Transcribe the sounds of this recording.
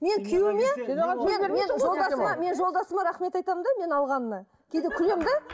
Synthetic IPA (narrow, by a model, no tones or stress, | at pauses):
me̞ŋkʲʰewɪmemenmenʒolˠd̪ɑsmɑme̞nʒo̞lˠd̪ɑsəmɑɾɑχme̞t̪ɑjt̪ɑmənd̪ɑme̞nɑlˠʁɑnənɑ | kʲʰejd̪ekʲʰʏlemd̪e